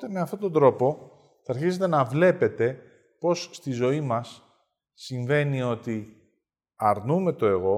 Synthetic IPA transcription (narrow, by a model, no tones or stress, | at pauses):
ot̪eme̞ɐft̪o̞t̪o̞nd̪ɾo̞po̞ | θɐːɾçize̞t̪e̞nɐvle̞pe̞t̪e̞ | po̞sst̪izo̞imɐsː | iɱve̞nio̞t̪i | ɐɾnume̞t̪o̞e̞ɣo̞